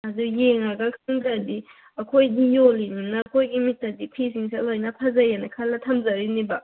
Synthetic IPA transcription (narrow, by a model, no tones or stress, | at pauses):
ɐdujeŋaɡɐkʰɯŋdadi | ɐkʰojdijolinunɐɐkʰojɡimitːɐdipʰisiŋsalojnɐpʰɐzajanɐkʰalːɐtʰɐmzɐɾinibɐ